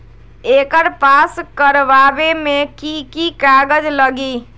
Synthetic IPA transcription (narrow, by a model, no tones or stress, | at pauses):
ekəɾpaskəɾʋabemekikikaɡəd͡ʒləɡi